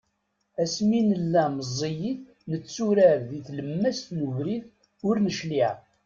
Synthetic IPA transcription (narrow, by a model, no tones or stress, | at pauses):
æsminəlːæməzˤːijiθ | nət͡sːuɾæɾðiθləmːæst̪nuvɾiθ | ʊɾnəʃliʕ